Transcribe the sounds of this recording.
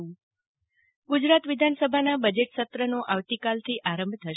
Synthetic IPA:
ɡud͡ʒɾat̪ʋɪd̪ʱansəbʱanabəd͡ʒeʈsət̪ɾənoʔaʋt̪ikalt̪ʰiʔaɾəmbʱt̪ʰəʃ

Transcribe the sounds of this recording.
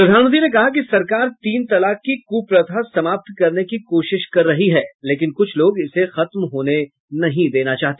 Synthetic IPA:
pɾɐd̪ʱaːnmə̃nt̪ɾinekɐɦak̬isɐɾkaːɾt̪iːnt̪ɐlaːkːikuːpɾɐt̪ʰasɐmaːp̚t̪kɐɾnekikoːʃɪʃkɐɾːɐɦiɦɛːleːk̬ɪnkʊt͡ʃʰloːɡɪsexɐt̪mɦoːne | nɐɦĩd̪eːnat͡ʃaːɦt̪e̥

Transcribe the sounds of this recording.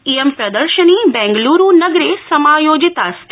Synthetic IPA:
ijempɾɐd̪əɾʃənibɛ̃ŋɡluɾunəɡɾesɐmaːjoːd͡ʒɪt̪ast̪

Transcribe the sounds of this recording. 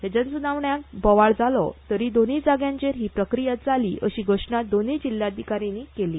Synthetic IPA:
ɦed͡ʑənsunaʋɳjakbɔʋaɭd͡zalɔ̰t̪əɾiːd̪onid͡zaɡjãɲt͡ɕeɾɦiːpɾəkɾijat̪̚d͡zʱaliːʔəɕiːɡʱoʂɳad̪onid͡ʑilːjad̪ʱikaɾinikeliː

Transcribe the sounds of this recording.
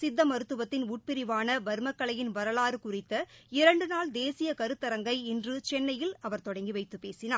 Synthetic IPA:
sɪd̪ːɐmɐɾɯt̪ːɯʋɐt̪ːɪnuːʈ̚pɪɾɪʋaːnɐʋɐɾmɐkːɐɭɐjɪnʋɐɾɐlaːɾɯkʊrɪt̪ːɐɪɾɐɳɖɯnaːld̪eːsɪjɐkɐɾɯt̪ːɐɾɐŋɡɐɪɪndrɯt͡ʃɛnːɐjɪlɐʋɐɾt̪ɔɽɐŋɡiʋɐɪt̪ːɯpːeːsɪnaː

